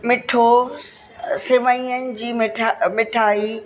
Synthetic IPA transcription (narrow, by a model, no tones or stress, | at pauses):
mɪʈʰo | sɪʋaĩənɪ̆d͡ʑiːmɪʈʰamɪʈʰaːi